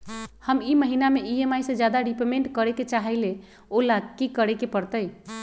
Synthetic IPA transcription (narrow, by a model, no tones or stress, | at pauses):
həmiməɦinameʔiemajsẽd͡ʒjad̪aɖipemeɳʈkəɾeket͡ʃaɦəɪle | olakikəɾekepəɾt̪əj